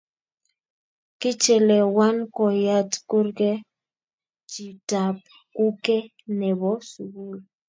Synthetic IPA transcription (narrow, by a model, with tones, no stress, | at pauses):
ki˦t͡ʃɛ˨lɛ˨wa˦nkɔ˨ja˦tku˦ɾkɛ˦ | t͡ʃi˨ta˨p̚ | ku˦kɛ˦ | nɛ˨βɔ˦su˨ɣu˦l